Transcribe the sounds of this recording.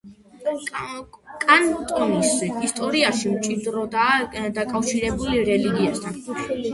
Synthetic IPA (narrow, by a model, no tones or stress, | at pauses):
kʼant̪ʼɔniszɛist̪ʼɔɾiaʃimt͡ʃʼid̪ɾɔd̪ad̪akʼafʃiɾɛbuliɾɛliɡiat̪ʰan